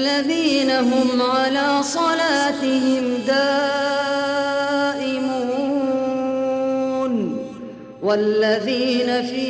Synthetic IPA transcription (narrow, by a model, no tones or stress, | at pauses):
aðiːnaɦʊmʕalaːsˤɑlaːt̪ɪhɪmd̪aː | ʔɪmuː | n | walːaðiːnafiː